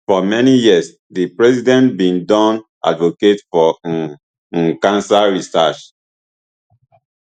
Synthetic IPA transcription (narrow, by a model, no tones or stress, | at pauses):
fɔmɛnijiəs | dipɹɛsidɛ̃ntbĩndɔ̃nʔa̰dvoketfɔ | nkãnsaɹisat͡ʃ